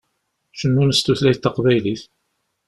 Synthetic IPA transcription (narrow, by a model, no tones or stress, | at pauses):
ʃənːunəst̪uθlæjθt̪ːɑqvæjliθ